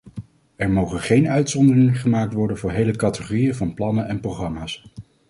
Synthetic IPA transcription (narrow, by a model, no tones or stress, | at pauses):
ɛɹmowχənχejnœɥtsɔndərɪŋəχəmaːk̚tʋɔɹdənvʊːɹɦejləkɑtəχorijəvɑnplɑnənʔɛnproχrɑmaːs